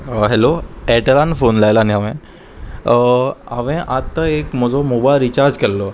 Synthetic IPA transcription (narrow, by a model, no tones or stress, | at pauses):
ɦɛloɛʈəɾanfonlajlaːniɦaʋẽ | aʋẽʔat̪ːəekm̤əd͡zomobajlɾit͡ɕaɾd͡ʑkəɾlo